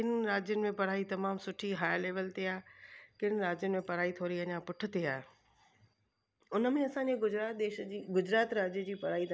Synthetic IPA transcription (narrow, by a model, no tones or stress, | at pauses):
kɪnɾaːd͡ʑjənɪ̆mẽpɐɾaːit̪ɐmaːmsʊʈʰiɦaːjleːʋəlt̪eaːɦekɪnɾaːd͡ʑjənɪ̆mẽpɐɾaːit̪ʰoːɾiɐɲãpʊʈʰɪ̆t̪eaːɦe | ʊnə̆mẽɐsãɲd͡ʑeɡʊd͡ʑɾaːt̪̚d̪eːʃiɡʊd͡ʑɾaːt̪ɾaːd͡ʑijəd͡ʑiːpɐɾaːit̪ʰ